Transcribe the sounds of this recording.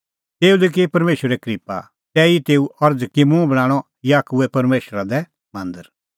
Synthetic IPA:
t̪eːulik̬ipɐɾmeːʃɾɛkɾiːpa̰ | t̪ɛːit̪eːuɐɾd͡zkimũbɐɽ̃ãːɽ̃ɔ | jaːkuɛpɐɾmeːʃɾad̪ɛ | mɐ̃nd̪əɾ

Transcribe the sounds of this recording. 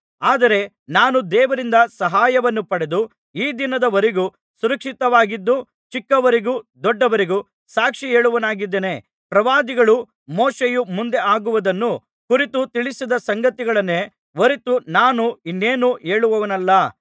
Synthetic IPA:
aːd̪ɐɾe̞ | naːnud̪ɛːʋɐɾind̪ɐsɐɦaːjɐʋɐnːupɐɽe̞d̪u | iːd̪inɐd̪ɐʋɐɾeɡu | suɾɐkʂit̪ɐʋaːɡid̪ːu | t͡ʃikːɐʋɐɾeɡud̪ɔɖːɐʋɐɾeɡu | saːkʂie̞ːɭuʋɐnaːɡid̪ːeːne̞ | pɾɐʋaːd̪iɡɐɭu | moːʂejumund̪e̞aːɡuʋud̪ɐnːu | kuɾit̪ut̪iɭisid̪ɐsɐŋɡɐt̪iɡɐɭɐnːe | ʋoɾit̪unaːnuinːeːnue̞ːɭuʋɐʋɐnɐlːɐ

